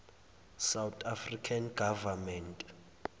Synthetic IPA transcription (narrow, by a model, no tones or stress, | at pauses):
sawtʰafrikʰanɡavamɛntʼ